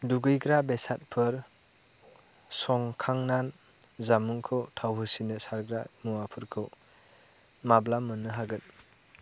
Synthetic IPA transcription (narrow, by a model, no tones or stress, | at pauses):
duɡɯjɡɾabesat̚pʰɯɾ | sɔŋkʰaŋnan | zamuŋkʰɯwtʰawɦɯsinɯsaɾɡɾamuwapʰɯɾkʰɯw | mablamɯnːɯɦaɡɯt